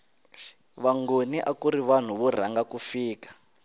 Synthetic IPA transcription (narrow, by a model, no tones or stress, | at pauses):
βaŋɡoniʔakuɾiβan̤uβur̤aŋɡakufiːkḁ